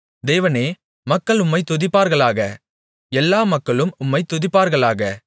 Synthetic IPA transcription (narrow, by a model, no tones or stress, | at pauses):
d̪eːʋɐneː | mɐkːɐɭʊmːɐɪt̪ʊðɪpːaːɾɣɐɭaːɣɐ | ɛlːaːmɐkːɐɭɯmʊmːɐɪt̪ʊðɪpːaːɾɣɐɭaːɣɐ